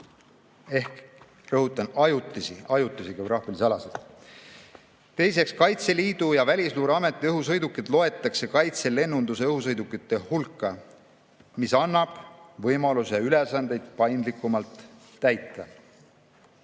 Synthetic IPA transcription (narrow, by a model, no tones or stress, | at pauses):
e̞hk | rɤɦut̪ːˑɑnɑjut̪ˑːisiɑjut̪ːˑisikeobɾɑːfilisɑlɑselt̪ | t̪e̞jse̞kskɑjt̪se̞liːd̪̥ujɑvælʲisluːɾeɑme̞t̪ːˑiɤɦus̬ɤjd̪ukːˑid̪̥lo̞e̞t̪ːˑɑkse̞kɑjt̪se̞le̞nːund̪useɤɦhusɤjd̪ukːˑit̪ːˑe̞hulkːˑɑ | misɑnːɑb̥vɤjmɑluseɑylesɑnd̪e̞jd̪̥pɑjnd̪likːˑumɑlt̪ː | æjt̪ːˑɑ